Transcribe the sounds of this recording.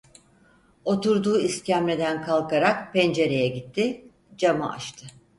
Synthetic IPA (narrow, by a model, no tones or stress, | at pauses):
o̞t̪uɾd̪uːiscæmlʲed̪ænkʰalˠkaɾakpɛnd͡ʒe̞ɾe̞jɛɟit̪ʰːi | d͡ʒama̰ʔa̰ʃt̪ʰɯ